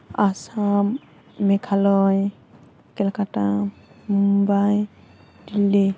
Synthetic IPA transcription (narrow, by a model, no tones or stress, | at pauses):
asamː | ɛkʰalɔj | kɛlkatamumbaj | dile